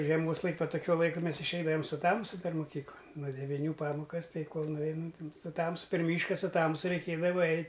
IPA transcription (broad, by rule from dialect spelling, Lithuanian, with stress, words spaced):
ʒʲiɛˈmoːs ˈlˠɐɪkʲ ˈʋɐ toːˈkʲuɔ ˈlˠɐɪkʊ ˈmʲɛs ɪʃʲˈɛɪdɐʋɐm sʊ ˈtɐmsʊ ˈdɐr moːˈkʲiːklˠɐn nuɔ dʲɛʋʲɪˈnʲuː ˈpɑːmoːkɐs ˈtɐɪ ˈkoːlˠ nʊˈʋʲɛɪnɐm tɐm sʊ ˈtɐmsʊ pʲɛr ˈmʲiːʃkɐ sʊ ˈtɐmsʊ rʲɛɪˈkʲeːdɐʋɐ ˈɛɪtʲ